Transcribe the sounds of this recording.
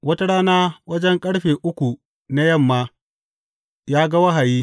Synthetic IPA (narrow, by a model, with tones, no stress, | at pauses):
wɐ˦ta˦ɽaː˦naː˦wɐ˦d͡ʒɛ˦ŋkʼɐ˦ɽɸeː˨ʔʊ˦kʷu˨ | na˦jɐ˦˨mːaː˦ | jaː˦ɡɐ˦wɐ˦ɦa˨jiː˦